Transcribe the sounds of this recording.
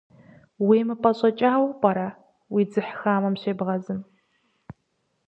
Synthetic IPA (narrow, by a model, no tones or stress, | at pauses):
wiːmɨpʼɐɕʼɐt͡ʃʼaːwpʼɐɾa | wiːd͡zɨħxaːmɐmɕeːbʁɐzɨm